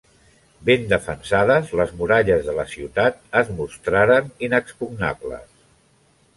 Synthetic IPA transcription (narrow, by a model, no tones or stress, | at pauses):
bend̪əfənsaðəzləzmuɾaʎəzðələsiuwt̪at̪̚əzmust̪ɾaɾəninəkspuɡna̰blə̰s